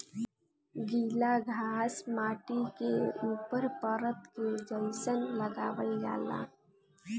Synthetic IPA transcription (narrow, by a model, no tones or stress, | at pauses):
ɡiːlaɡʱaːsmaːʈikeuːpəɾpəɾət̪ked͡ʒəɪsənləɡaːʋəlja̰ːla̰ː